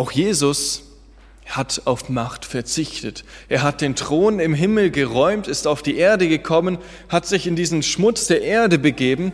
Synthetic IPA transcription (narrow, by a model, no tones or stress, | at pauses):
ʔaʊxjeːzʊs | hataʊfmaχtfɛɐt͡sɪçtətʔeːɐɦat̚d̥eːntʁ̥oːnɪmɦɪml̩ɡəʁɔʏmtɪstaʊfd̥iːʔeːɐdəɡəkʰɔmən | hatz̥ɪçɪndiːzn̩ʃmʊt͡sd̥eːɐʔeːɐdəbəɡeːbm̩